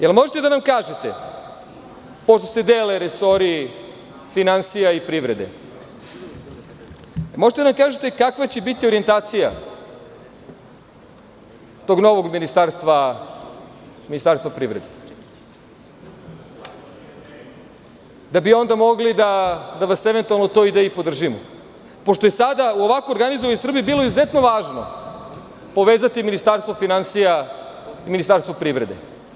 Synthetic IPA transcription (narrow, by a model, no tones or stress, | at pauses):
jelmo̞ʒet̪ed̪anamkaːʒet̪e | poʃt̪ose̞d̪eːleɾesoɾi | finansijaipɾiʋɾe̞d̪ḛ | moʒet̪ed̪anamkaːʒet̪ekakʋat͡ɕe̞bit̪io̞ɾie̞nt̪aːt̪sija̰ | t̪o̞ɡno̞ʋo̞ɡminist̪aɾst̪ʋa | minist̪aɾst̪vapɾiʋɾed̪e | d̪abio̞nd̪amo̞ɡlid̪ad̪aʋaseʋe̞nt̪ualnot̪o̞id̪ejipod̪r̩ʒimo | poʃt̪o̞jesad̪auoʋakooɾɡanizoʋanjusr̩bijebiːlo̞izuzet̪noʋaːʒno̰ | po̞ʋeːzat̪iminist̪aɾst̪vofinansija | iminist̪aɾst̪ʋopɾivɾed̪ḛ